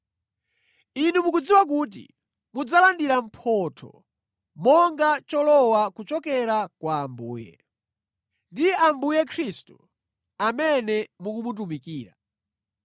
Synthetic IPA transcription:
inumukud͡ziwak̬uːt̬ḭ | mud͡zalandiɾam̩pʰɔtʰɔ̰ | mɔŋɡat͡ʃɔlɔwakut͡ʃɔkɛɾakwaːmbṵːjɛ̰ | ndiambujɛkʰɾistu | amɛnɛmukumut̬umikiːɾa̰

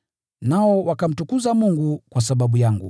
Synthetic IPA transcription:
naɔwakam̩tukuzamuŋɡukwasaɓaɓujaŋɡṵ

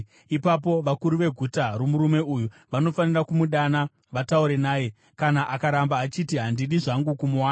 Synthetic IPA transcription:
ipap̬o̞ʋakuɾuʋe̞ɡʱutarumuɾume̞uju | ʋano̞fanirakumuɗana | ʋatauɾe̞naːje̞ | kanaʔakaɾambaːt͡ʃitiɦandiɗiʐaŋɡukumuwaːna

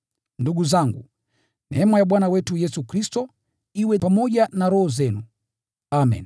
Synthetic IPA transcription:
nduɡuzaŋɡṵ | mɛmajaɓwanawɛtujɛsukɾistɔ | iwɛpamɔʄanaɾɔhɔzɛnu | amɛ̰n

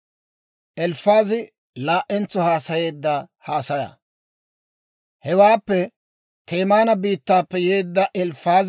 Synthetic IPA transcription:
ʔɛlfaːzɪ | laːʔɛnt͡sːɔhaːsɐje̞ːd̪ːɐhaːsɐjɐ̰ | hɛwaːpːɛ | t̪e̞ːmaːnɐbiːt̪ːaːpːɛjeːd̪ːɐʔɛlfaːz

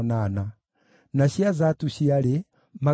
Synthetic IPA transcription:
nana | naɕiazatuɕiaɾe | ma

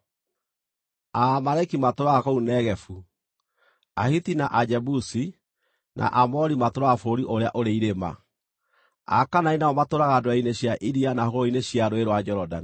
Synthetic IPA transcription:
amaɾaikimatoɾaakounɛɣɛfu | ahitinaʔad͡ʒɛbusi | nʔa̰ʔamɔɾimatoɾaːfoɾiʔoɾeaʔoɾeiɾema̰ | a̰kanainaɔmatoɾaɣaːdoaineɕjaʔiɾianahoɣoineɕjaɾoeɾwad͡ʒɔɾɔdani

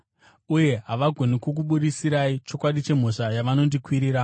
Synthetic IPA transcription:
uje̞ɦaʋaɡʱo̞nikok̬uɓuɗisiɾait͡ʃo̞kwaɗit͡ʃe̞m̤o̞ʂajaʋano̞ndikwiɾiːɾa

